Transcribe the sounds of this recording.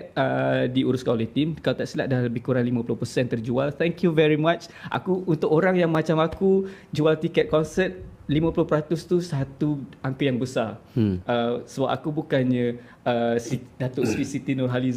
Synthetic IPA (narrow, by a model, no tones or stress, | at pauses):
t̪̚ədiuɾʊskalit̪imkalat̪aʔsila̰ʔdalləbɪhkuɾaŋlimãpulʊhpərsɛnt̪ərd͡ʒualt̪ʰɛŋkjuvɛɾimat͡ʃʔa̰kuːnt̪ʊkoɾaŋjaŋmat͡ʃamakud͡ʒualt̪ikɛt̪̚kɔnsət̪̚limə̃pulʊhpəɾat̪ʊst̪usat̪uaŋkəjaŋbəsaʔəsəbap̚a̰kubukanɲə̃ | əsidat̪oʔspisit̪inɔrɦaliz